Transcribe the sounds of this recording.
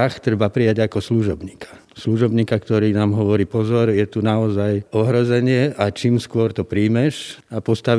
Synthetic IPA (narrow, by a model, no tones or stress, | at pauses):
axt̪ɾɛbapɾijaɟakɔsluʒɔbɲiːkʰḁ | sluʒɔbɲiːkakt̪ɔɾiːnaːmɦɔʋɔɾiːpɔzɔɾjɛt̪unaɔzajɔɦɾɔzɛɲɪɛʔat͡ʃiːmskʊɔɾt̪ɔpɾiːmɛʃapɔst̪aʋ